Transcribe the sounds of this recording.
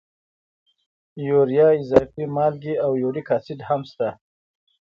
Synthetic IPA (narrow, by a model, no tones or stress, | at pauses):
joɾijɑːɪzɑfimɑːlɡiawjoɽikɑːsɪd̪hamst̪a